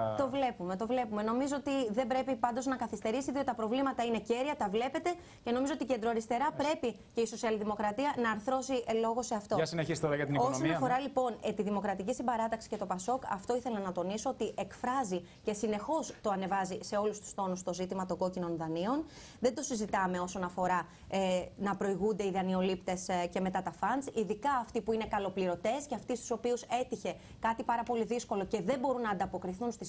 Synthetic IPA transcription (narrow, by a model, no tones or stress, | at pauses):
t̪o̞vle̞pume̞t̪o̞vle̞pume̞no̞mizo̞ot̪iðe̞mbɾe̞pipɐnd̪o̞znɐkɐθist̪e̞ɾisiðiot̪it̪ɐpɾo̞vlimɐt̪ɐine̞ce̞ɾiɐt̪ɐvle̞pe̞t̪e̞ | ce̞no̞mizoo̞t̪ice̞nd̪ɾoɐɾist̪e̞ɾɐpɾe̞pi | ce̞iso̞siɐlðimo̞kɾɐt̪iɐnɐːɾθɾo̞siʔelo̞ɣo̞se̞ɐft̪o̞ɐsineçist̪o̞ɾɐʝɐt̪iniosoonɐfo̞ɾɐlipo̞net̪iðimo̞kɾɐt̪icisimbɐɾɐt̪ɐksi̥ce̞t̪o̞pɐso̞kɐ̰ft̪o̞iθe̞lɐnɐt̪o̞niso̞ot̪iʔe̞kfɾɐzi | ce̞sine̞xo̞st̪o̞ɐne̞vɐzise̞o̞lust̪u̥st̪o̞nust̪o̞zit̪imɐt̪o̞ɡo̞cino̞nðɐnio̞n | ðe̞nd̪o̞sizit̪ɐme̞o̞so̞nɐfo̞ɾɐ | enɐpɾo̞iɣund̪e̞iðɐnio̞lipt̪e̞sce̞me̞t̪ɐt̪ɐfɐnsiðikɐːft̪ipuine̞kɐlo̞pliɾo̞t̪e̞sce̞ɐft̪ist̪uso̞piuse̞t̪içe̞ | kɐt̪ipɐɾɐpo̞liðisko̞lo̞ce̞ðe̞mbo̞ɾunːɐːnd̪ɐpo̞kɾiθunst̪is